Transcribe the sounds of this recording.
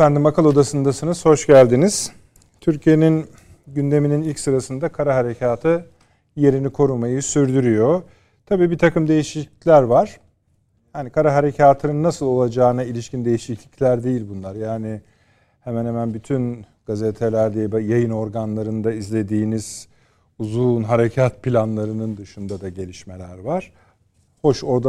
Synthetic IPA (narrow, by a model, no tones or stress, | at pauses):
efænd̪imakʰalˠo̞d̪asɯnd̪asɯnɯz̥ho̞ʃɟælʲd̪iniz̥ | t̪ʰyɾcʰije̞nin | ɟynd̪e̞mininilʲcsɯɾasɯnd̪akʰaɾaɦaɾe̞cʰaːt̪ʰɯ | je̞ɾinikʰo̞ɾumajɯsyɾd̪yɾyjo̞ | t̪ʰabiːbiɾt̪ʰakɯmd̪e̞jiʃiclʲæɾvaɾ̥ | jaːnikʰaɾaɦaɾe̞cʰaːt̪ʰɯnɯnːasɯlˠo̞lˠad͡ʒaːɯnailʲiʃcind̪e̞jiʃiclʲiclʲæɾd̪e̞jilʲbunlˠaɾjaːnɪ | hemænhemænbyt̪ʰynɡ̥azet̪ʰe̞lʲæɾd̪ebɛjajɯno̞ɾɡanlˠaɾɯnd̪aizlʲe̞d̪iːniz̥ | uzuːnɦaɾecʰat̪̚pʰilʲanlˠaɾɯnɯnd̪ɯʃɯnd̪ad̪aɟe̞lʲiʃme̞lʲæɾvaɾ̥ | ho̞ʃo̞ɾd̪a